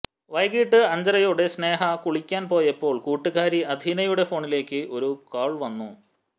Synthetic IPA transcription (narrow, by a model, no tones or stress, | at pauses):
ʋɐjɡiːʈːɨɐɲd͡ʑɐrɐjoːɽe̞sne̞ːɦɐkuɭikʲːaːnpo̞ːjepːo̞ːɭkuːʈːɨɣaːɾiɐd̪ʱinɐjuɽe̞fo̞ːɳile̞ːkːɨʔo̞ɾukaːɭʋɐnːu